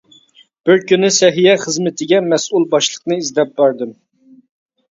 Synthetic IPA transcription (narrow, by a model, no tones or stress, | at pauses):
b̥ɪɾkʲynɪsɛɦijɛχəzmɪt̪ʰɪɡʲɛmɛsulˠbɑʃlˠəqnɨizd̪ɛp̚bæɾd̪ɨm